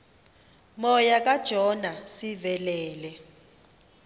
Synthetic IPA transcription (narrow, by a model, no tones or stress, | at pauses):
mɔjak̬ʼad̥ʒ̥ʱɔnasivɛlɛːlɛ